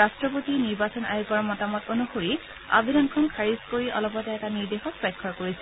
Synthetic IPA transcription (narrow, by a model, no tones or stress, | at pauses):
astɹɔpotiniɹbasɔna̰juɡɔɹmɔtamɔtonuxoɹi | a̰bʱidɔnkʰɔnkʰaɹiskoɹiʔɔ̰lɔpɔtɛɛtaniɹdexɔk̚pɔjkʰːɔɹkoɹisɛ